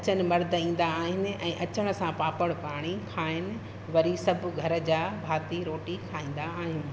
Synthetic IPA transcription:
ɐt͡ɕənɪ̆mɐɾd̪ʱĩːn̆d̪aːɦɪnɪ̆ɛ̃ːʔɐt͡ɕəɽ̃ə̆sãpaːpəɽ̃paːɽ̃ikʰaːɪnɪ̆ | ʋɐɾisɐb̆ʱɡʱɐɾə̆d͡ʑaːbʱaːt̪iɾoːʈikʰaːĩːn̆d̪aːɦiʊnɪ̆

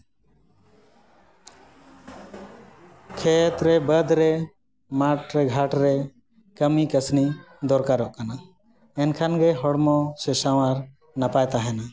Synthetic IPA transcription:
kʰɛt̪ɾɛbəd̪ɾɛ | maʈɾɛɡʱaʈɾɛ | kəmikəsni | d̪ɔɾkaɾɔʔkana | ɛnkʰanɡɛɦɔɽmɔsɛsawaɾ | napajt̪aɦɛna

